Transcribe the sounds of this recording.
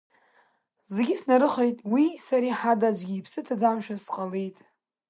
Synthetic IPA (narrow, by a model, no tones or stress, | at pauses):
zeɡʲɪsnaɾɨχejtʼwisaɾiħadad͡ʒʷɡʲiːpʰsɨtʰad͡zamʃᶣasqʼalijtʼ